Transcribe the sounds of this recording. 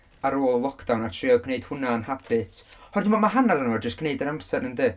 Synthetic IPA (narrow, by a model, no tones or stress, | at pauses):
aɾoːlˠlˠɔkʰd̥awnatʰriɔkʰneɨd̥hʊnanhab̥ɨtʰhɔrdɪmɔmaɦanalanɔd͡ʒəskɡʰneɨdəɾamsɛdnəndɨː